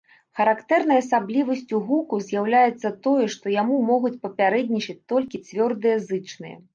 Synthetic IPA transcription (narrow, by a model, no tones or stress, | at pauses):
xɐɾakt̪ɛrnɐjɐsablʲivɐsʲt͡sʲuɣukuzʲjawlʲajɛt̪sːɐt̪ɔjɛʂt̪ɔjamumɔɣut͡sʲpɐpʲaɾɛd̪ʲnʲit͡ʂɐt͡sʲt̪ɔlʲkʲit͡sʲvʲɔrd̪ɨjɐzɨt͡ʂnɨjɐ̰